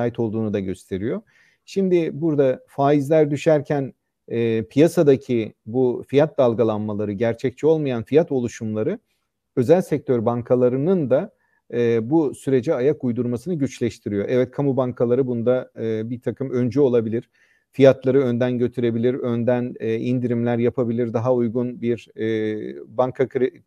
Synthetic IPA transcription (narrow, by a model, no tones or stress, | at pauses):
aːjit̪ʰo̞lˠd̪uːnud̪aɟø̞st̪ʰe̞ɾijo̞ | ʃimd̪ɪbuɾd̪afaːizlʲæɾd̪yʃæɾcʰænː | pʰijasad̪acʰibufijat̪̚d̪alˠɡalˠanmalˠaɾɯɟæɾt͡ʃʰɛc̚t͡ʃʰio̞lˠmajanfijat̪o̞lˠuʃumlˠaɾɯ | ø̞zælʲsɛc̚t̪ʰøɾbaŋkʰalˠaɾɯnɯnd̪aː | busyɾe̞d͡ʒɛajak̚ujd̪uɾmasɯnɯɟyt͡ʃlʲɛʃt̪ʰiɾijo̞ʔɛvɛt̪̚kʰamubaŋkʰalˠaɾɯbunud̪aɯːbit̪ʰakʰɯmø̞nd͡ʒyo̞lˠabilʲiɾ̥ | fijat̪lˠaɾɯø̞nd̪ænɟø̞t̪ʰyɾe̞bilʲiɾø̞nd̪ænːind̪iɾimlʲæɾjapʰabilʲiɾd̪aɦaujɡunbiɾː | baŋkʰakʰɾi